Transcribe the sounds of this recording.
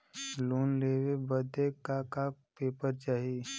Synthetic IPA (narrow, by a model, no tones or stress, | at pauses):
luːnleːwebəd̪ekaka | peːpəɾt͡ʃaːɦi